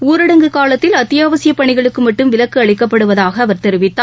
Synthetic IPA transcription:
uːɾɐɽɐŋɡɯkaːlɐt̪ːɪlɐt̪ːɪjaːʋɐsɪjɐpːɐɳɪɣɐɭɯkːɯmɐʈːɯmʋɪlɐkːɯɐɭɪkːɐpːɐɽɯʋɐðaːɣɐːʋɐɾt̪ɛɾɯʋɪt̪ːaː

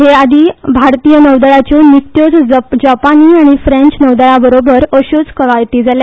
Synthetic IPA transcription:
ɦead̪ʱiːbʱaɾt̪ijənəʋd̪əɭat͡ɕɔnit̪jod͡zd͡ʑapaniːaɽ̃ifɾẽɲt͡ɕnəʋd̪əɭabəɾobəɾəɕud͡zkəʋajt̪iːd͡zalja

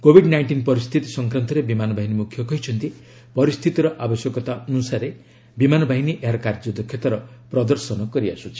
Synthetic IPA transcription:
kobʱiɖnajɳʈinpɔɾist̪ʰit̪isɔŋkɾant̪ɔɾebimanɔbʱaɦinimukʰjɔkɔɦit͡ʃʰɔnt̪i | pɔɾist̪ʰit̪iɾɔʔabɔsjɔkɔt̪aʔɔnusaɾe | bimanɔbʱaɦiniʔeɦaɾɔkaɾd͡ʒɔd̪ɔkʰjɔt̪aɾɔpɾɔd̪ɔɾsɔnɔkɔɾiasut͡ʃʰi̥

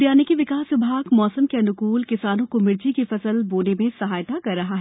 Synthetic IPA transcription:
d̪jaːnɪkiʋɪkaːsʋɪbʱaːɡmɔːsəmkeɐnʊkuːlkɪsaːnõkomɪɾd͡ʒikifɐsəlboːnemẽsɐɦaːjt̪akɐɾːɐɦaɦɛː

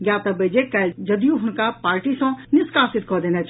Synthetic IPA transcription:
ɡjaːt̪abeːd͡ʒekɐd͡ʒɐd̪ijũɦʊnkapaːɾʈisãnɪskaːsɪt̪̚kɔd̪eːnat͡ʃʰ

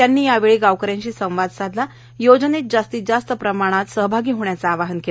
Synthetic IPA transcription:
t̪janːiːjaʋeɭiːɡaʋkəɾjãɲt͡ɕiːsə̃w̃ʋad̪sad̪la | jod͡zənet̪̚d͡zast̪iːd͡zast̪əpɾəmaɽ̃at̪səɦəbʱaɡiːɦoɳjat͡saːʋaɦənkela

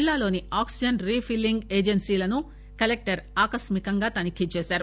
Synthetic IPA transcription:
lːaːlo̞ːniaːksid͡ʒɐnɾiːpʰilːiŋɡeːd͡ʒensiːlɐnu | kɐlek̚ʈɐɾaːkɐsmikɐŋɡaːt̪ɐnikit͡ʃɛːsaːɾu

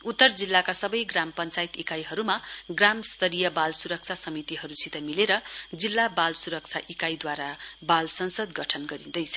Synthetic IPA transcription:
ut̪ːʌrd͡zilːakasʌbʌjɡrampʌnt͡sajt̪ikajɦʌɾumaɡramst̪ʌɾijʌbalsuɾʌk̚t͡sʰasʌmit̪iɦʌɾusit̪ʌmileɾʌd͡zilːabalsuɾʌk̚t͡sʰa̰ʔikajd̪waɾabalsʌnsʌd̪ɡʌʈʰʌnɡʌɾid̪ʌjt͡sʰʌ̥

